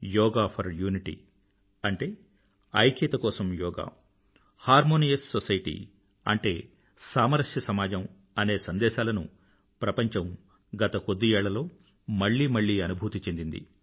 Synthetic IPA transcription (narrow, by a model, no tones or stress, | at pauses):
jɔːɡaːpʰɐɾjuːniʈḭ | ɐɳʈe̞ː | ɐjket̪ɐkɔːsɐmjɔːɡa̰ː | haːɾmoːnijɐsːosɐjʈḭ | ɐ̰ɳʈe̞ː | saːmɐɾɐʂjɐsɐmaːd͡ʒɐm | ɐne̞ːsɐnd̪ɛːʃaːlɐnṵ | pɾɐpɐɲt͡ʃɐm | ɡɐt̪ɐkod̪ːiɛːɭːɐlo̞ː | mɐɭːiːmɐɭːiːɐnubʱuːt̪it͡ʃend̪ind̪ḭ